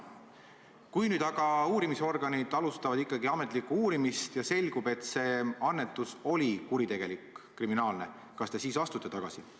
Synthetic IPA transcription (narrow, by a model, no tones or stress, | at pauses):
kujnyːd̪̥ɑɡ̥ɑuːɾimiseo̞rɡ̥ɑnid̪̥ɑlust̪ɑvɑd̪̥ikˑːɑɡiɑme̞t̪ˑlikːuuːɾimist̪jɑse̞lʲɡ̥ube̞t̪se̞ɑnːe̞t̪ːˑuso̞lʲikuɾit̪e̞ɡ̥e̞likː | riminɑːlne̞ | kɑst̪e̞siːsɑst̪ut̪ːˑe̞t̪ɑɡ̥ɑsi